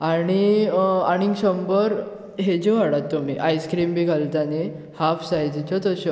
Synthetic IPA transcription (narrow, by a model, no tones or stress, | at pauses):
aɽ̃iaɽ̃iŋɡɕəmbəɾ | ɦed͡ʑiʋaɽat̪ːumḭʔajskɾiːmbʱiːɡʱalt̪ane | hafsajd͡ʑit͡ɕɔt̪əɕɔ